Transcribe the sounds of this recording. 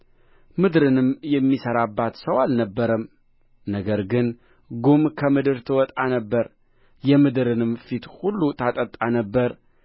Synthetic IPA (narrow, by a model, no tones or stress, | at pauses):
mɨd̪ɾɨnɨmjɛmːisəɾabːat̪səwalnəbːəɾəm | nəɡəɾɡɨn | ɡumkʰəmɨd̪ɨɾt̪ʰɨwɔt̪ʼanəbːəɾ | jɛmɨd̪ɨɾɨnɨmfit̪hulːut̪ʰat̪ʼət̪ʼːanəbːəɾ